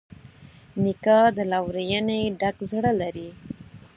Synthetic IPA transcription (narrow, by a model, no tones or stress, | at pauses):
nikɑd̪əlawɾejəneɖakzɽəlaɾi